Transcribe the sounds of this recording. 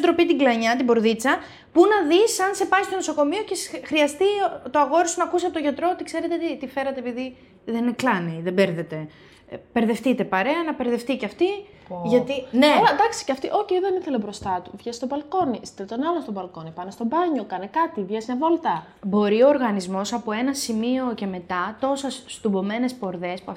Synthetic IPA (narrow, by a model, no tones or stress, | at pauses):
d̪ɾo̞pit̪iɡlɐɲɐt̪ibo̞ɾðit͡sɐ | punɐðisɐnse̞pɐist̪onoso̞ko̞mio̞cesxɾiɐst̪it̪oɐɣo̞ɾisunɐkusept̪oʝɐt̪ɾo̞ot̪ikse̞ɾet̪et̪it̪ife̞ɾɐt̪eepiði | ðenneklɐniðebeɾðe̞t̪e̞ | peɾðe̞ft̪it̪e̞pɐɾe̞ɐnɐpe̞ɾðe̞ft̪iceɐft̪i | ʝɐt̪ineond̪ɐksi̥ceɐft̪iʔo̞çeiðeniθelebɾo̞st̪ɐt̪uvʝest̪o̞bɐlko̞niselet̪o̞nɐlonst̪obɐlko̞nipɐnest̪o̞bɐɲo̞kɐnekɐt̪ivʝesnevo̞lt̪ɐ | bo̞ɾio̞ːɾɣɐnizmo̞sɐpoe̞nɐsimio̞ce̞me̞t̪ɐt̪o̞sesst̪ubo̞me̞ne̞spo̞ɾðe̞spuɐf